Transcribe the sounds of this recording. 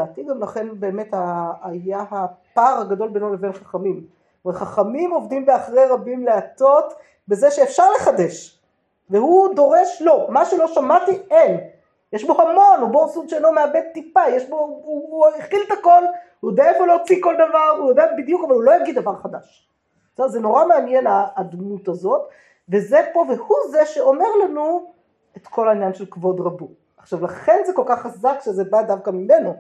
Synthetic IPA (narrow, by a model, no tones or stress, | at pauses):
aːt̪iɡamlaχe̞nbe̞ːme̞t̪aajahapaʁhaɡado̞lbenolevenχaχamim | velχaχamimo̞vd̪imbeaχʁeʁabimleato̞t̪ | be̞zeʃeːfʃaʁle̞χad̪e̞ʃ | vehud̪o̞ʁe̞ʃlo̞maʃulo̞ʃamat̪ien | jeʃbo̞hamo̞nubosud̪ʃeenlo̞meabed̪̚t̪ːipajeʃbo̞ujeχilt̪ako̞lhujod̪eaefoloot͡siko̞ld̪avaʁujod̪eabid̪jukavalulo̞jaɡid̪̚avaʁχadaʃ | sozeno̞ʁameanjenaːd̪mut̪azo̞t | ve̞zepo̞vehuzeʃe̞o̞me̞ʁlanu | et̪kʰo̞lainjanʃelkvo̞d̪ʁabu | aχʃavlaχenzeko̞lkaχːazakʃezebad̪avkamime̞no